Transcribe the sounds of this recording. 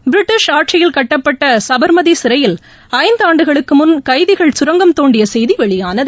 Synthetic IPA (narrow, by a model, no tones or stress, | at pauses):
bɪɾɪʈːɪʂaːʈ̚t͡ʃɐjɪlkɐʈːɐpːɐʈːɐsɐbɐɾmɐðisɪɾɐjɪl | ɐɪnd̪aːɳɖɯɣɐɭɯkːɯmʊnkɐɪðɪɣɐɭsʊɾɐŋɡɐmt̪oːɳɖɪjɐsɛjðiʋɛɭɪjaːnɐð